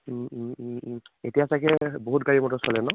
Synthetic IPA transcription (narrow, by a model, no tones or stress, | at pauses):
ḛtijasakɛboɦutɡaɹimɔtɔsɔlɛnɔ